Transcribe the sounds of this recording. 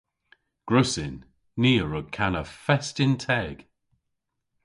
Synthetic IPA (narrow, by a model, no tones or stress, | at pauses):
ɡ̥ɹʊsɪnː | iːəɹʊkʰanəfɛstɪntʰɛɡ̥